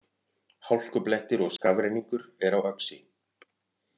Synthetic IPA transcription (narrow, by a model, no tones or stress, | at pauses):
hawl̥kʏplɛht̪ɪɾɔɣskavɾejniŋkʏɾɛɾawœksɪ̰